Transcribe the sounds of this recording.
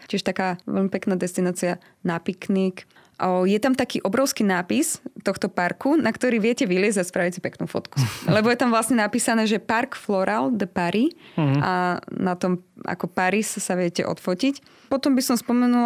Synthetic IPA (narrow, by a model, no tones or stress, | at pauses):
cɪɛʃt̪akaːʋɛ̰lmipɛknaːd̪ɛst̪inaːt͡sia | napiknik | ʔjɛt̪amt̪akiːʔɔbɾɔʊskiːnaːpist̪ɔxt̪ɔpaɾkunakt̪ɔɾiːʋɪɛcɛʋilɪɛd͡zzaspɾaʋisipɛknṵːfɔ̰t̪ku̥lɛbɔjɛt̪amʋlasɲɛnapiːsanɛːʒɛpaɾkflɔɾald̪əpaɾia̰nat̪ɔmʔa̰kɔpaɾissaʋɪɛcɛ̰ʔɔ̰t̪fɔcic | pɔt̪ɔmbisɔmspɔmɛnul